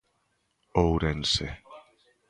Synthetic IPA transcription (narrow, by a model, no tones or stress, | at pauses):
owɾense